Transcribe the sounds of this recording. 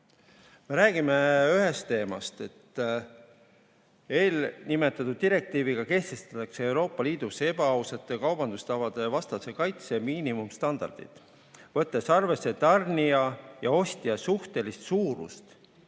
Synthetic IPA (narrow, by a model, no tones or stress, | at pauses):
me̞ɾæːɡ̥imeyɦe̞st̪ːe̞ːmɑ̰st̪e̞t̪ː | e̞ːlnime̞t̪ːˑɑt̪ud̪̚d̪iɾe̞k̚t̪iːviɡ̥ɑke̞ht̪e̞st̪ɑ̥t̪ːˑɑkse̞e̞wɾo̞ːpːˑɑliːd̪̥use̞b̥ɑɑwsɑt̪ːˑekɑwb̥ɑnd̪ust̪ɑvɑd̪e̞vɑst̪ɑse̞kɑjt̪semiːnimumst̪ɑnd̪̥ɑ̰rd̪̥ḭt̪ˑ | vɤ̞t̪ːe̞sɑrve̞sːe̞t̪ɑrnijɑjɑo̞st̪iɑsuht̪e̞list̪suːɾṵst̪